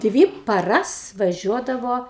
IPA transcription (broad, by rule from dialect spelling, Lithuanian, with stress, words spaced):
ˈdʲʋʲiː pɐˈrɐs ʋɐˈʒʲuɔdɐʋoː